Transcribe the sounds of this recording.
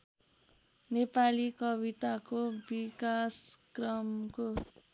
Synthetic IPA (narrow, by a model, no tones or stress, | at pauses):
nepalikʌbit̪akobikaskrʌmko